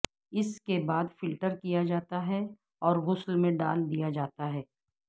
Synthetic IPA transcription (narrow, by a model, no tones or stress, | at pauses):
ɪskebaːd̪fɪlʈəɾkijad͡ʒaːt̪aɦɛ | ɔːɾɣʊslmẽɖaːld̪ijad͡ʒaːt̪aɦɛː